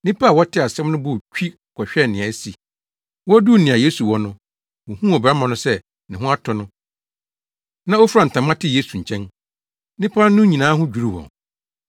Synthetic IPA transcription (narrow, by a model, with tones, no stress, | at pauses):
nĩ˦pʰa˦˨wɔ˦tʰɪ˦a˨sɛ̃˦mnʊ̃˦bʊ˦˨t͡ɕᶣi˦ | kʰɔ˨ɕᶣɛ˦˨nɪ̃˨ã˨˦si˨ | wɔ˦du˦˨nĩ˨a˨je˦su˨wɔ˦nʊ̃˦ | wɔ˨hũ˦ɔ˨ba˦mã˨nʊ̃˦sɛ˦ | nɪ̃˨ɦʊ̃˦a˦tʰɔ˨nʊ̃˦ | nã˦ɔ˦fɾã˨n̩˨tʰã˨mːã˦tʰɪ˦je˦su˨ɲ̩˨t͡ɕʰɛ̃˦n | nɪ̃˦pʰa˦nʊ̃˦ɲĩ˨nãː˨˦ɦʊ̃˦d͡ʑᶣu˨˦ɾu˦wɔ̰̃˨n